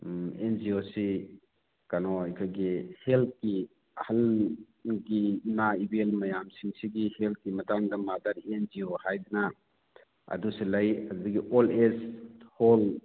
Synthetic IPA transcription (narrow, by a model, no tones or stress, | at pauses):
end͡ʒiosi | kanɔajkʰaɡihelt̚ki | ɐhal | ɡiːmaibelmɐjamsiŋsiɡihelt̚kimɐtaŋdamadaɾend͡ʒiohajdna | ɐ̰dusilajɐdudikiʔɔleshɔl